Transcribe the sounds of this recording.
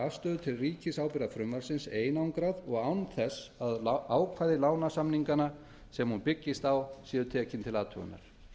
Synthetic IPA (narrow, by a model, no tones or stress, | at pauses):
ast̪œːðʏt̪ʰɪlriːcɪsawpɪɾafɾʏmvaɾ̥sɪnseːjnawŋkɾaðɔɣawnθɛsaðaːwkʰvaːðɪlaːwnasamniŋkana | sɛmhunpɪcːɪst̪awsɛːðʏt̪ʰɛːcɪnt̪ʰɪlaːt̪ʰʏɣʏ̰nːa̰ɾ̥